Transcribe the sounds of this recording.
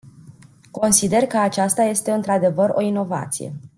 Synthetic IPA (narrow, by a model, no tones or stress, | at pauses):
ko̞nsid̪e̞rkəat͡ʃast̪aje̞st̪e̞ɨnt̪ɾad̪e̞vəɾo̞ino̞va̰t̪sḭje̞̰